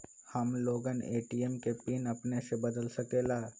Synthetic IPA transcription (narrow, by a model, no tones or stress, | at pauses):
həmloːɡənḛːʈiemkepinəpnesebəd̪əlsəkela